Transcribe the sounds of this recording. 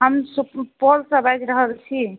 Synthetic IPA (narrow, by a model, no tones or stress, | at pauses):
ɦəmspɔlsəbajd͡ʒɾəɦəlt͡ʃʰi